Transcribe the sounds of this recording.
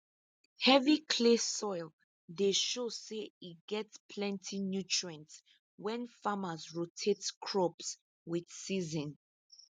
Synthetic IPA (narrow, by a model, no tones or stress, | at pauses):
hɛvikʰlesɔjl | deʃoseiɡɛtspʰlɛ̃ntʰinjut͡ʃʰɹɛ̃nts | wɛ̃nfamazɹotʰetskʰɹɔps | wid̥sizɔ̃n